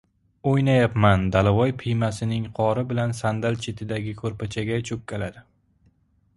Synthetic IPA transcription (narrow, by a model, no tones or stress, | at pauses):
ojnajapmand̪alavɒjpʰɪjmasɪnɪŋqʰɒɾɪbɪlansand̪alt͡ʃʰet̪ʰɪd̪aɡʲɪkʰɵɾpʰat͡ʃʰaɡʲat͡ʃʰʊk̚ʲkʰʲːalad̪ɪ